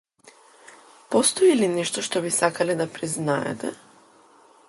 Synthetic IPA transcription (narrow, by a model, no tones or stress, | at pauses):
post̪oilinɛʃt̪oʃt̪ɔbisakalɛd̪apɾiznaɛ̰t̪ɛ